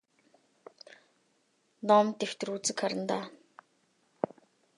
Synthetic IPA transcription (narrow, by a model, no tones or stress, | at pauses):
nɔmt̪ew̥t̪ɵ̆rut͡sɘ̆kχaɾə̆nt̪aː